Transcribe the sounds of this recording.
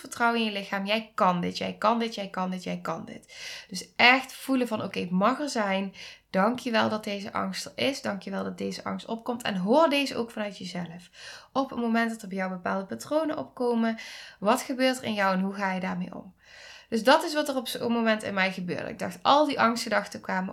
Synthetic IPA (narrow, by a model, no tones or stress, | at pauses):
fəɹtrɑwɪŋjəlɪxaːmjɛjkɑndɪtjɛ̰jkɑndɪtjɛjkɑndɪtjɛjkɑndɪ̰td̥ɵsɛxtfuləvɑnʔo̰wkejmɑχəɹzɛjnd̥ɑŋkjəʋɛlˠdɑt̚d̚dejzəʔɑ̰ŋstərɪsdɑŋkjəʋɛlˠdɑt̚dejzəʔɑ̰ŋstɔp̚kɔmtʰɛ̰nɦoːrdejzəʔowkfɑnœɥtjəzɛləfɔpənmomɛnt̚dɑtərbjawbəpa̰ːlˠdəpatrownənʔɔ̰p̚kowməʋɑtxəbøːɹtərɪ̰njɒwɛnɦuɣaːjədaːɹmejɔ̰m | d̥ɵsdɑtɪs̬ʋɑtərɔpsomomɛntɪ̰nmɛjɣəbø̰ːɹdə̰ɪ̰ɡ̚dɑ̰xtɑlˠdiʔɑŋstədɑxtəkʋaːmə